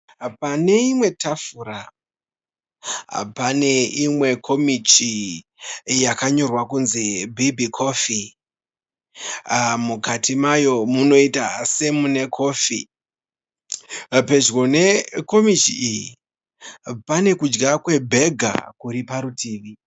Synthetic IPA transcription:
pane̞imwe̞tafura | pane̞imwe̞kʰo̞mit͡ʃi | jakaɲo̞rwakunzibʱibʱikʰo̞fi | mukatimajo̞muno̞ita̰se̞mune̞kʰo̞ːfi | pe̞d͡ʒɣo̞ne̞ko̞mit͡ʃiiji | pane̞kud͡ʒɡakwe̞bʱe̞ɡʱa̰kuɾipaɾutiːʋi

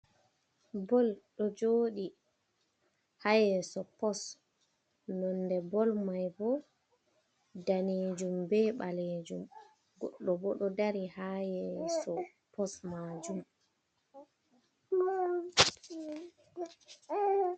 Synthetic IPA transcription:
bɔlɗɔd͡ʒoːɗi | hajɛsɔpɔs | nɔndɛbɔlmajbɔ | daneːd͡ʒumbɛɓaled͡ʒum | ɡɔɗːɔbɔɗɔdaɾihajɛsɔ | pɔsmad͡ʒum

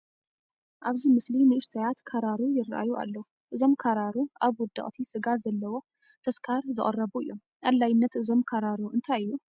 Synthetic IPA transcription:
ʔaβzimɨslinɨɨst̪ʰɐjat̪kʰɐɾaɾujɪrʔa̰juʔa̰lːɐwu | ʔɨzo̞mkʰaɾaɾuʔaβwʊd̪ɨ̰χʼt̪ʰisɨɡazɐlːɐwo̞ | t̪ʰɐskʰaɾzɨχʼɐ̰rːɐβuɨ̰jːo̞m | ʔalːajɪnːɐt̪ʔɨzo̞mkʰɐɾaɾuʔɨnt̪ʰajɨjːu

